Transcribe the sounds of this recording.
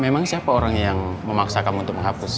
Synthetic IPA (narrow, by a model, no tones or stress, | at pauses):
memaŋsiapaoɾaŋjaŋməmaksakanunt̪ʊk̚məŋɦapus